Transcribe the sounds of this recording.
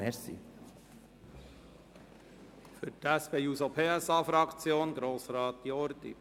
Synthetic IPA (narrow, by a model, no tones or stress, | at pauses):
ɛsḭ | fʏɾtæspeːuːsopʰeːæsɑːfɾɑkt͡sjoːnɡɾoːsɾɑːt̪ːiɔɾd̪ḭ